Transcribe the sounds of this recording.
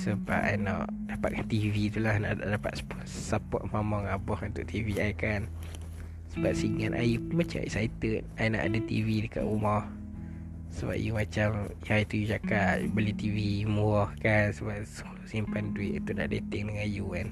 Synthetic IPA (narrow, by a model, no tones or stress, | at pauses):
səba̰ʔajnɔ̰ʔdapa̰ʔ̚kant̪ivit̪ulahna̰ʔda̰ʔdapa̰t̪sp | sapɔʔmamɔŋabɔhunt̪ʊʔ̚t̪iviajkan | səbap̚siŋanʔa̰jumat͡ʃa̰mḛksait̪ən̚ajna̰ʔa̰dat̪ḭvidəka̰ʔumɔh | səba̰ʔ̚jumat͡ʃamjajt̪ujud͡ʒakaʔbəlit̪ivimuɔhkansəbaʔ̚sulusimpanduiʔt̪una̰ʔdet̪ɛŋdəŋãjukan